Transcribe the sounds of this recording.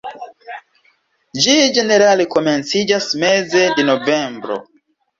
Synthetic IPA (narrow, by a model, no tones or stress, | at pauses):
d͡ʒid͡ʒe̞ne̞ɾaleko̞ment͡sid͡ʒasmezedenove̞mbɾo̰